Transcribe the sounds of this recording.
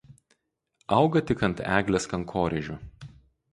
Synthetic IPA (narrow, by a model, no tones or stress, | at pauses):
ɐʊɡɐt̪ʲɪkɐnt̪æːɡlʲeːskɐŋˑkʰoːɾʲɛʒʲu